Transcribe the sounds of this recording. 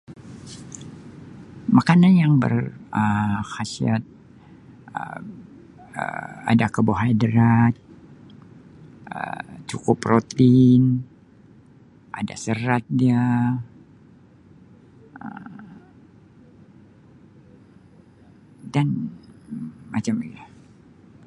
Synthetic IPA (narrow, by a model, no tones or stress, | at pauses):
makananjaŋbə̰rəxasiat̪̚ | ə̰ | ə̰a̰dakəboɦajdɾat̪̚ | ə̰t͡ʃukʊprot̪in | ʔa̰da̰səɾat̪̚dia | əm | dan | mat͡ʃamila